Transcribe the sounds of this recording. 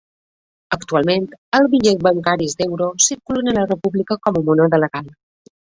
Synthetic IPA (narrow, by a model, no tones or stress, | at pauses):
əkt̪ualˠment̪əlˠzβiʎɛtβəŋkaɾizd̪ɛwɾosiɾkulənənlərəpuβlikəkɔmumunəðələɣalˠ